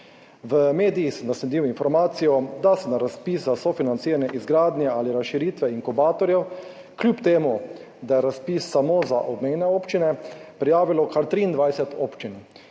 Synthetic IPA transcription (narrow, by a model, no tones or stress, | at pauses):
ʋəmeːd̪iixsɛnaslɛd̪iwinfɔɾmaːt̪sijɔd̪asɛnaɾaspiszasɔfinant̪siːɾanjɛʔizɡɾaːd̪njɛaːliɾasʃiɾiːt̪ʋɛiŋkubaːt̪ɔɾjɛw | kljuːpt̪eːmu | d̪ajɛɾaspisːamoːza̰ʔɔbmeːnɛoːpt͡ʃinɛpɾijaːʋilɔkʰaɾt̪ɾiːnd̪ʋajsɛt̪ʰoːpt͡ʃin